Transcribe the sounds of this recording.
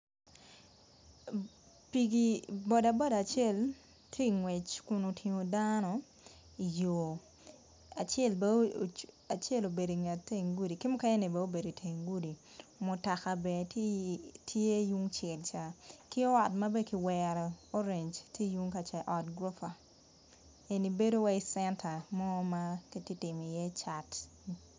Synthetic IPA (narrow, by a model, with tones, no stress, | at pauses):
pi˨ɡi˨bɔ˨da˨bɔ˦da˨t͡ʃe˦˨l | tʰje˦i˨ŋwɛ˨t͡ʃkʊ˨no˨tʰi˨ŋo˨danɔ˨ | i˨jo˨ | a˨t͡ʃɛ˦˨lbɛ˦ | a˨t͡ʃe˦lo˨be˨do˨ŋa˨te˦ŋɡu˦di˨kɪ˦mʊ˦ka˦ɲe˦ni˨bɛ˦o˦be˨do˨tʰe˨ŋɡu˦di˨mʊ˨ta˨ka˨bɛ˨ttʰje˦ju˦ŋt͡ʃɛ˨lt͡ʃa˨kɪ˦ɔ˦wa˨tma˦be˦ki˨wɛɾɔ˨o˦ɾe˨ɲd͡ʒtʰje˦ju˦ŋka˨t͡ʃa˨ʔɔ˨tɡɾɔ˦pa˨ | e˨ni˨be˦do˦wa˦i˨sɛ˦ntʰa˨mɔ˦ma˦ki˦ti˦tɪ˨mi˨jɛ˦t͡ʃa˨t